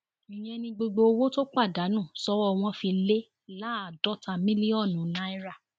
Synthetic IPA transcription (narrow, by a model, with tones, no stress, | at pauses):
ĩ˨j̃ɛ̃˧nĩ˧ɡ͡bo˧ɡ͡bo˧o˧wo˦to˦k͡pa˦˨da˨˦nũ˦˨sɔ˦wɔ˦˧w̃ɔ̃˧fĩ˧le˦ | la˦a˨dɔ˦ta˧mĩ˦li˦ɔ˦˨nũ˨˦nã˦i˦ɾa˦˨